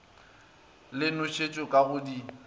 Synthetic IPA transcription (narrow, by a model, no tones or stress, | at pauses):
lɪnʊʃʰet͡ʃʼɔkʼaɣʊdi